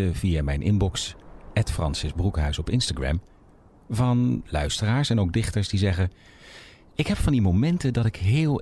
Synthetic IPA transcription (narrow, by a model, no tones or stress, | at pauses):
əvijamɛjnʔɪ̰mbɔksɛtfrɑnsɪzbrukɦœɥsɔpɪnstaɡɹɛ̰m | vɑnlœ̰ɥstəraːɹsɛnowɡ̚dɪχtəɹsdizɛχə | ɪkɦɛpfɑndimowmɛntədɑtɪkɦɪːlˠ